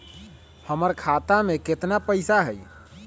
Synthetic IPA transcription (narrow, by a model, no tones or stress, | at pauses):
həməɾkʰat̪ameket̪napəjsaɦəj